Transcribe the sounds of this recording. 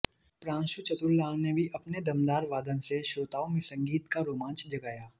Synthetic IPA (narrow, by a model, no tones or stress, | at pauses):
pɾãːnʃut͡ʃɐt̪ʊlːaːnnebʱiʔɐpned̪ɐmd̪aːɾʋaːd̪ənseʃoːt̪aːõmẽsɐ̃ŋɡiːt̪kaɾoːmãːnt͡ʃd͡ʒɐɡaːjaː